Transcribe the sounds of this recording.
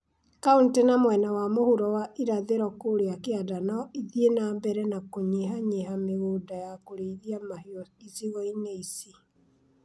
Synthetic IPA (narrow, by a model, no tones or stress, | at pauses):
kauntenamwɛnawamohuɾɔwaʔiɾaðeɾɔkoɾeakeadanɔiðienambɛɾɛnakoɲeɦaɲeɦameɣoːdajakoɾeiðiamahɔisiɣɔineisi